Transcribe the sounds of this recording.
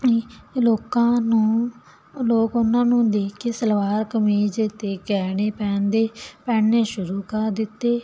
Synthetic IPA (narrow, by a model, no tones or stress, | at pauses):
iloːkãːnũː | loːkʊnːãːnũːd̪iːkɪsəlʋaːɾkəmiːd͡ʒet̪eːkɛːɽeːpɛ̃ːnd̪eːpɛ̃ːɳneːʃʊɾuːkəɾd̪ɪt̪ːeː